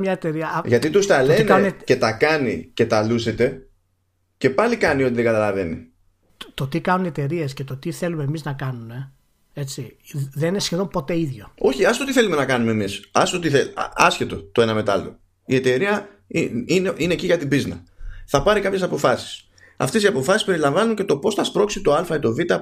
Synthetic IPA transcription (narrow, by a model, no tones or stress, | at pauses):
mɲɐet̪e̞ɾiɐʝɐt̪it̪ust̪ɐlenkɐnnece̞t̪ɐkɐnice̞t̪ɐluse̞t̪e̞ | ce̞pɐlikɐnioiðeɡɐt̪ɐlɐve̞nḭ | t̪ot̪ikɐnunie̞t̪e̞ɾie̞scet̪ot̪iθe̞lume̞miznɐkɐnume̞ | e̞t͡siðeninesçeðo̞mpo̞t̪e̞iðʝo̞o̞çiɐst̪o̞t̪iθe̞lume̞nɐkɐnumemisɐst̪ot̪iθeɐsçet̪o̞t̪o̞e̞nɐme̞t̪ɐlo̰ | ie̞t̪e̞ɾiɐ | iineʔineciʝɐt̪ibiznɐθɐpɐɾikɐpçe̞sɐpo̞fɐsi̥s | ɐ̰ft̪e̞siɐpo̞fɐsispe̞ɾilɐɱvɐnuɲce̞t̪o̞po̞sθɐspɾo̞ksit̪o̞ɐlfɐit̪o̞vit̪ɐ